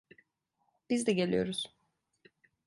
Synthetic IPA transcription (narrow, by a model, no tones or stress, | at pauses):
b̥izd̪ɛɟelʲḭjo̞̰ɾuz̥